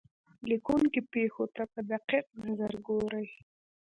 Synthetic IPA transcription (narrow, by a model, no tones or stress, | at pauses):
likuŋkipexot̪apəd̪aqiq̚nazaɾɡoɾəj